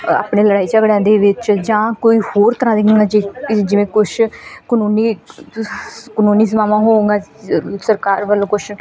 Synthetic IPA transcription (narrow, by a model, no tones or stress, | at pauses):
a̰ːpɳeːləɽaːiːt͡ʃəɡɽjãːd̪eːʋɪt͡ʃd͡ʒãːkoːiːhoːɾt̪əɾãːd̪ekːɡaːd͡ʒed͡ʒɪʋẽːkʊʃʰkənuːniː | kənuːniːs̬əmaːʋãːɦõːɡaːsəɾkaːɾʋəlõːkʊʃʰ